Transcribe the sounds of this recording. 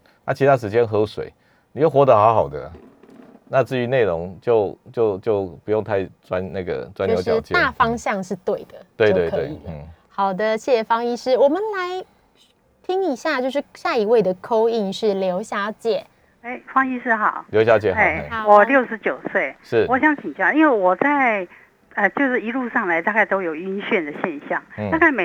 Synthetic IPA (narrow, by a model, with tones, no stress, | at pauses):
na˥˩t͡ɕʰi˧˥t̪a˥ʂ̬̩˧˥t͡ɕjɛ˦nxɤ˧˥ʂwḛ˨˩˦ɪ | ni˨jo˥˩ʊxwɔ˧˥d̪ə˨xa˧˥ʊxɑ˨˩ʊd̪ə̰˦˨ | na˥˧t͡sɹ̩˥˩y˧˥ne˥˩ɪɻo˧˦ŋt͡ɕjo˥˧ʊt͡ɕjo˥˩ʊt͡ɕjo˥˩ʊpu˨˥jŋt̪ʰa˥˧ɪt͡swa˦nna˥˩ɡə̰˩t͡swa˥n˧jo˧˦˥t͡ɕɛ˥t̪a˥˩fɑ˥ŋɕjɑ˥˧ŋʂɻ̩˥˧t̪we˥˩ɪd̪̥ə˩t̪we˧ɪt̪we˧k̪ʰwe˥˩ɪi˨˩m̩˥˩xɑ˨˩ʊd̪ə˦ɕjɛ˥˩ɕɛ˨˩fɑ˥ŋi˥ʂɻ̩˥wɔ˨˩mə˨nla˧˦ɪ | t̪ʰi˥ŋi˨˩ɕja˥˧t͡ɕjo˥˧ʊʂɻ̩˥˩ɕja˥˩i˧˥we˥˩ɪd̪ə˩kʰo˥ʊi˥˧nʂɻ̩˥˩ljo˧˥ʊɕja˧˥t͡ɕjɛ˥˩ | e˥ɪfɑ˥ŋi˥ʂɻ̩˥˧xɑ˨˩˦ʊljo˧˥ɕ̬ja˧˥t͡ɕjɛ˥˩e˨˥˩ɪ˨wɔ˨˩ljo˥˩ʊʂɻ̩˧˥t͡ɕjo˨˩ʊswe˥˩ɪʂɻ̩˥˩wɔ˧˥ɕjɑ˧˥ŋt͡ɕʰi˨ŋt͡ɕjɑ˥˩i˥nwe˥˩ɪwɔ˨˩t͡sa˥˧˩ɪ | ə˧t͡ɕjo˥˧ʊʂɻ̩˥˩i˧˥lu˥˧ʂɑ˥˩ŋla˧˥ɪt̪a˥˧ka˥˩ɪt̪o˥ʊjo˨˩ʊy˥nɕɥɛ˥˩nd̪ə˨˩ɕjɛ˥˧nɕjɑ˥˨˩ŋ̩˥˩a˥˧ka˥˩ɪme˨˩